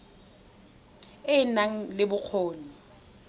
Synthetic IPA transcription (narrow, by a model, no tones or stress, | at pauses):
ɪnaŋ̩lɪbʊq͡χʰoːni